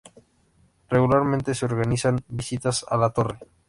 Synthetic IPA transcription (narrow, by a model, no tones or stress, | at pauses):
reɣulaɾmẽnt̪eseoɾɣanisanbisit̪asa̰lat̪o̞re̞